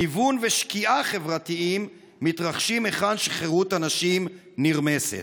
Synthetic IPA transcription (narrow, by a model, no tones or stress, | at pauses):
ivunveʃkiʔaχe̞vʁat̪iimː | it̪ʁaχʃimeχadʃeχeʁutanaʃim | niʁmesḛt